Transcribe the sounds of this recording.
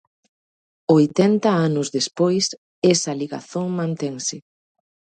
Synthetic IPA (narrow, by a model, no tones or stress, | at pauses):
ojt̪ɛnt̪ɐanʊzðespojs | ɛsɐliɣa̰θoŋmãnt̪ɛŋsɪ